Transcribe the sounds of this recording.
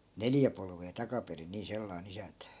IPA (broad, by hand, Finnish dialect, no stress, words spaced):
neljæ polʋeː tɑkɑperin̆ niː selːɑi̯n isæntæ